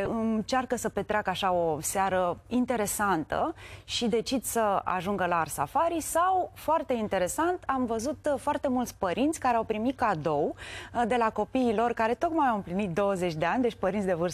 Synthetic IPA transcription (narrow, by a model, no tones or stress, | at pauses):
ɨnt͡ʃarkəsəpe̞t̪ɾeakəaʃao̞seaɾəint̪e̞ɾe̞sant̪ə̰ʃid̪e̞t͡ʃid̪səa̰ʒuŋɡəlarsa̰faɾisawfoart̪e̞int̪e̞ɾe̞sant̪amvəzut̪foart̪e̞mult̪sʲpəɾint̪sʲkaɾeawpɾimit̪̚kad̪o̞wd̪e̞lako̞piːlo̞rkaɾe̞t̪o̞kmajawɨmplinit̪̚d̪o̞wəze̞t͡ʃʲd̪e̞anʲd̪e̞t͡ʃʲpəɾint̪sʲd̪e̞vɨrs